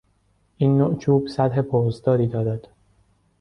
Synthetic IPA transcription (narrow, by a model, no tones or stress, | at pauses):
ʔiːnːoʔt͡ʃʰuːbsæd̪ɦe̞pʰoːzd̪ɒːɾiːd̪ɒːɾæd̪̥